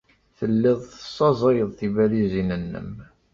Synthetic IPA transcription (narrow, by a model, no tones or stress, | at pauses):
θəlːɪðˤθə̥sˤːɑzˤɑjəðˤθivæɾizinənːə̰m